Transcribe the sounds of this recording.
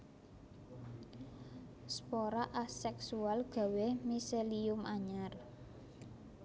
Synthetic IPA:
spoɾaʔasɛksualɡ̥a̤wemiseliʊmʔaɲar

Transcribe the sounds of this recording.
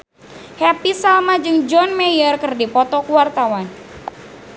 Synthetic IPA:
hɛpisalmad͡ʒɨŋd͡ʒɔnmɛjərkɨrdipɔt̪ɔkuwart̪awan

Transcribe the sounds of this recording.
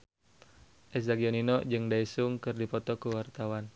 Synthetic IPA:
ʔɛs̬aɡiɔninɔd͡ʒɨŋdaisʊŋkɨrdipɔt̪ɔkuwart̪awan

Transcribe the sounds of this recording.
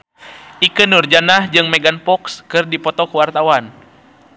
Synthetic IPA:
ʔikɨnurd͡ʒanahd͡ʒɨŋmɛɡanpɔkskɨrdipɔt̪ɔkuwart̪awan

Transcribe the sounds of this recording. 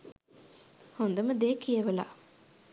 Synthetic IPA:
hond̪ɐməd̪eːkijɐʋela̰

